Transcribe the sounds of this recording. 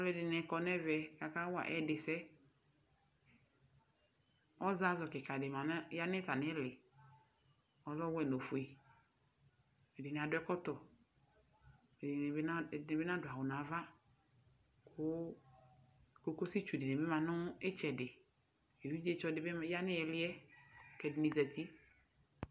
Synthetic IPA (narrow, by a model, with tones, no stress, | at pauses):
ɔ˦lɛ˦dɪ˨nɛ˨kɔ˨nɛ˦vɛ˨ka˨ka˦wa̰˨ʔɛ˦dɪ˨sɛ˦ | ɔ˦za˦zɔ˨kɪ˨ka˨dɪ˨ma˨n˦ja˦nɪ˦ta˨nɪ˦lɪ˨ | ɔ˨lɔ˦wɛ˦˨no˨fu˨i˨ | me˨dɪ˨nɪ˨a˨dʊ˦ɛ˦kɔ˦tɔ˨ | me˨dbɪ˦na˦dʊ˨a˨wʊ˨na˨˦va˦ | kʰʊ˦ | ko˨˦ko˦si˦t͡ʃu˨dɪ˨ne˨be˦ma˨nʊ˦ɪ˦t͡ʃɛ˨dɪ˨ | e˨wu˦d͡ʒe˦t͡ʃɔ˦dɪ˨˦bja˦nɪ˦ɛ˨lɪ˦ɛ˦kɛ˨dɪ˨ni˨za˨ti˦